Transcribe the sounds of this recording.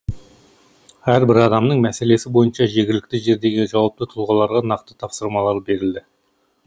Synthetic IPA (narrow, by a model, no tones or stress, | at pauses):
æɾbɪɾɑd̪ɑmnəɴmæse̞le̞sɪbo̞jənʃɑʒe̞ɡʲɪlɪkt̪ɪʒe̞ɾd̪e̞ɡʲɪʒɑwɑp̚t̪ət̪ʰʊlˠʁɑlˠɑɾʁɑnɑqt̪ə̥t̪ʰɑpsəɾmɑlˠɑɾəp̚be̞ɾɪld̪ɪ